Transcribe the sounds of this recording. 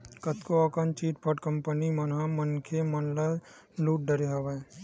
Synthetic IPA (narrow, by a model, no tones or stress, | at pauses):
kɐt̪koɐkɐnt͡ʃiːʈ̚pʰəʈkəmpənimɐnãmənkʰemɐnla | luːʈ̚ɖəɾeɦɐʋae